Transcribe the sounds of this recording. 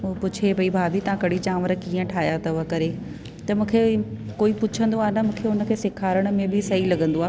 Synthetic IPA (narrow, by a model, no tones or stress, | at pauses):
upʊt͡ɕʰebɐibʱaːbʱit̪ɐãkɐɽit͡ɕãːməɾkiːə̃ʈʰaːɦɪjat̪ɐʋəkɐɾe | t̪ɐmũːkʰe | koːipʊt͡ɕʰə̃nd̪oaːɦnɐmũːkʰeʊnə̆kʰeːsɪkʰaːɾəɽ̃ʊ̆mẽbʱɪsɐɦilɐɡə̃nd̪oaː